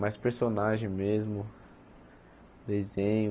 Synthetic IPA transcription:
majspeɾsonaʒẽj̃mezmʊ | d̪ezẽɲʊ

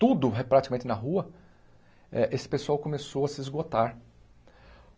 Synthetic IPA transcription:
t̪ud̪ʊɦpɾat̪i̥kamẽnt̪ɪnɐɦuɐ | ɛʔesɪ̥pesuawkõmesowɐsɪizɡot̪aɾ

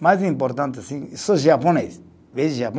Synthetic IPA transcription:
majzĩmpoɾt̪ãnt̪̬asĩsoʒapones | vezʒap

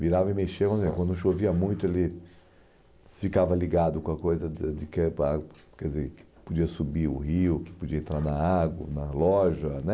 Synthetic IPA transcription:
viɾavɐɪmeʃewɐ̃nzẽɐkɐ̃nʃoviɐmũj̃t̪ʊelɪ | fikavɐliɡad̪ʊkõɐkojzɐd͡ʒ̪ɪkɛpaɡɐkɛɪzekɪ̥pod͡ʒiɐsubiɾʊ̰hiʊkɪ̥pod͡ʒiɐẽnt̪ɾaɾnɐaɡwɐnɐlɔʒɐnɛ

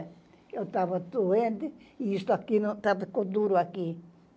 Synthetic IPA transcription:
ewt̪avɐd̪uẽnt̪ɪiist̪ʊakiñt̪avekod̪uɾʊaki

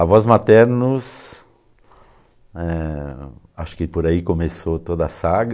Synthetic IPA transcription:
ɐvɔzmat̪ɛɾnʊs | ɛ | aʃʊ̥kɪpoɾaikomesot̪od̪ɐɐsaɡ

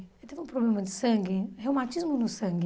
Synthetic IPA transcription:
et̪evɪũpɾoblẽmɐd̪ɪsɐ̃ŋɡɪhewmãt͡ʃizmʊnʊsɐ̃ŋɡɪ

